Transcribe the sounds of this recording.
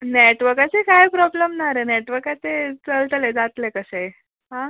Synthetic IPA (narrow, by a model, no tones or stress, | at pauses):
neʈʋəɾkat͡sekajpɾɔbləmnaɾeneʈʋəɾkat̪et͡səlt̪led͡zat̪lekəɕe | ɦã